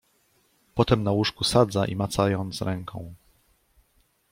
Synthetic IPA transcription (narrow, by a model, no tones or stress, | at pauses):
pɔt̪ɛmnawuʂkusad̪zaʔḭmat̪sajɔnt̪sɾɛŋkʰɔ̃w̃